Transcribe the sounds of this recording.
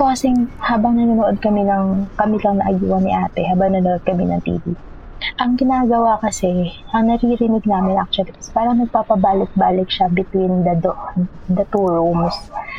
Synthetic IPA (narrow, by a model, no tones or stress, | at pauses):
okɐsɛŋhaːbɐŋnɐnɐnoʔod̪̚kɐminɐŋkɐmilɐŋnɐʔɐjuːhɐnɪʔaːt̪ɛɦaːbɐŋnɐnoʔod̪̚kɐminɐŋt̪ḭːvḭ | ʔɐŋɡɪnaːɡɐwakɐsɛ | ʔɐŋnɐɾiɾɪnɪɡ̚naːmɪnʔak̚t͡ʃʊɐlik̪ɐsɛ̥paːɾɐŋnɐɡ̚papɐbaːlɪk̪̚baːlɪk̚ʃabɪt̪wind̪ɐd̪oʔ | d̪ɐt̪uːɹomos